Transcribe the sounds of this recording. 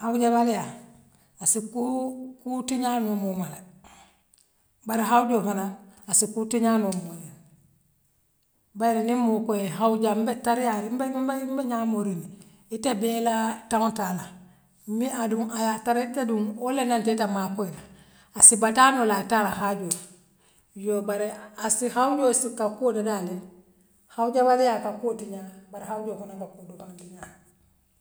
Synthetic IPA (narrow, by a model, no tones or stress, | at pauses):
awud͡ʒeβalija | asikukutiɲanomumale | baɾiɦauɟofanaasikutiɲanomole | baɾinimːukojehauɟambetaɾijaɾimbebambeɲamoɾini | itebelataŋotala | iaduŋajataɾetaduŋolenantetamakoila | asibatanolatalahaɟo | jobaɾeasihawɟosikakodadale | hauɟabaɾijakakotiɲabaɾehawɟokonabakudukaŋdiɲa